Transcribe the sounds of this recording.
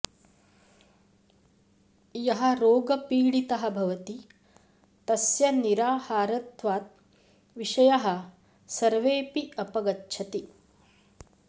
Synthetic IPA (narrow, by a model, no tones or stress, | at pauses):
jɐɦɐ̆ɾoːɡɐpiːɽit̪ɐɦɐ̆bʱɐʋɐt̪i | t̪ɐsjɐniɾaːhaːɾɐt̪ʋaːt̪̚ | ʋiʂɐjɐɦɐ̆ | sɐɾʋeːpiɐpɐɡɐtːt͡ʃʰɐt̪i